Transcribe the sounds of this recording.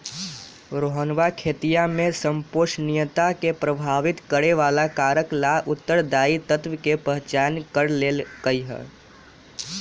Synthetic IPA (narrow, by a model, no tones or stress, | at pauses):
ɾoɦənʋakʰeːt̪ijamẽsə̃mpoːʃnɪjət̪akepɾəbʱaːʋɪt̪kəɽeʋaːlakaːɾəklaʔʊt̪ːəɾd̪aːit̪ət̪ʋkepəɦt͡ʃaːnkəɾleːlɡəiɦɛ̰ː